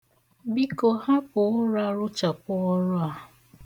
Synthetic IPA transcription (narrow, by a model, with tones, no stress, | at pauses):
bi˦ko˨ha˦pʊ˨ʊ˦ɾa˦ɾʊ˦t͡ʃa˨pʊ˦ɔ˦ɾʊ˦a˨